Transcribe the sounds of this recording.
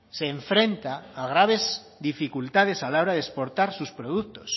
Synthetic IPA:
seːɱfɾẽnt̪aːɣ̞ɾaβ̞ez | d̪ifikult̪að̞esalawɾaðespoɾt̪aɾsuspɾoð̞ukt̪os

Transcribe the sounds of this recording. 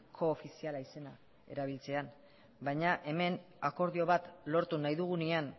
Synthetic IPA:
kʰo̞ːfisialaise̞na | e̞̰ɾaβ̞ilt͡se̞an | bajɲaʔe̞me̞n | ako̞ɾðio̞βat̪lo̞ɾt̪unajðuɣ̞unian

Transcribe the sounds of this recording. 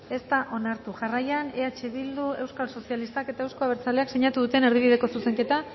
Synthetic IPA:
e̞st̪aʔo̞naɾt̪uʝarajaneat͡ʃeβild̪ue̞wskalso̞sialist̪ake̞t̪ae̞wsko̞aβeɾt͡sale̞akseɲat̪uðut̪e̞ne̞ɾðiβiðe̞ko̞suse̞ŋke̞t̪a

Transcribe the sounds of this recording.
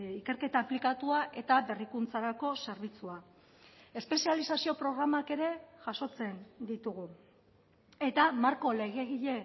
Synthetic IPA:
ike̞ɾke̞t̪aːplikat̪uaʔe̞t̪aβe̞rikunt͡saɾako̞se̞ɾβ̞it͡sua | e̞spe̞sialisasio̞pɾo̞ɣ̞ɾamake̞ɾe̞ʝaso̞t͡se̞nd̪it̪uɣ̞u | e̞t̪amaɾko̞le̞ɣ̞e̞ɣiʎe̞

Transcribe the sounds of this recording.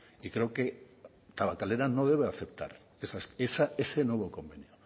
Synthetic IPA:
ikɾeoke̞ | t̪aβakale̞ɾano̞ð̞e̞β̞eaθe̞p̚t̪a̰ɾ | esasesaesenwe̞β̞oko̞mbe̞njo

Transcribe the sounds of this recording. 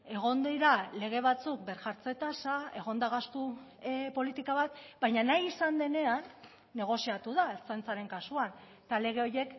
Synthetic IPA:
e̞ɣ̞o̞nd̪iɾale̞ɣ̞e̞β̞at͡suk̚be̞ɾʝaɾt͡se̞t̪asae̞ɣ̞o̞nd̪aɣ̞ast̪upo̞lit̪ikaβat̪bajɲanajisand̪e̞ne̞anː | e̞ɣ̞o̞siat̪uðaeɾt͡sent͡saɾe̞ŋkasuan | t̪ale̞ɣ̞e̞o̞je̞k

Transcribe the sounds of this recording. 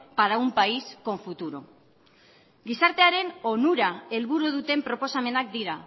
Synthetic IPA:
paɾaumpaisko̞ɱfut̪uɾo̞ | ɡisaɾt̪e̞aɾe̞no̞nuɾae̞lβuɾuð̞ut̪e̞mpɾo̞po̞same̞nak̚d̪iɾa

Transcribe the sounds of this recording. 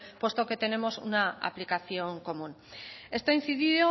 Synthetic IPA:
pwe̞st̪o̞ke̞t̪e̞ne̞mo̞sṵnaa̰plikaθjo̞ŋko̞mũn | e̞st̪oin̟θiðio

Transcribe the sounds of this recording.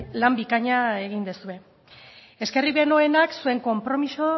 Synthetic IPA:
lambikaɲae̞ɣind̪esue̞ | e̞ske̞riβe̞no̞e̞naksue̞ŋko̞mpɾo̞miso

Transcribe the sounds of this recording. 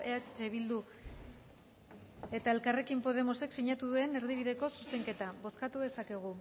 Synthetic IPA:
eat͡ʃeβild̪u | e̞t̪ae̞lkare̞kimpo̞ð̞e̞mo̞se̞ksiɲat̪uðue̞ne̞ɾðiβ̞iðe̞ko̞suse̞ŋke̞t̪aβo̞skat̪uðe̞sake̞ɣ̞u

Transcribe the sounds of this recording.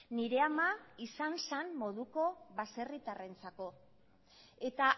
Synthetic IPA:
niɾe̞amaisansanmo̞ðuko̞βase̞rit̪are̞nt͡sako̞ | e̞t̪a

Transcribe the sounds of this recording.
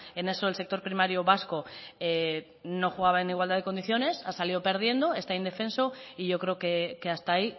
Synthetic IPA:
e̞ne̞soelsek̚t̪o̞ɾpɾimaɾjoβasko̞e | no̞xuɣaβ̞aeniɣwald̪aðeko̞nd̪iθjo̞ne̞sasaliðope̞ɾð̞je̞nd̪o̞e̞st̪aind̪e̞fẽ̞nso̞iʝo̞kɾe̞okeke̞ast̪ai

